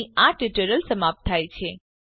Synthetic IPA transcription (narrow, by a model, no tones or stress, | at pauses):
iaʈɪʈəɾəlsəmap̚t̪ʰːajt͡ʃʰe